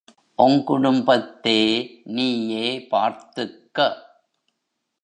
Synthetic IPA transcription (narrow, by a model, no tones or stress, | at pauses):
ʔɔŋkʊɽʊmbɐt̪ːeːniːjeːpa̰ːɾt̪ɯkːɐ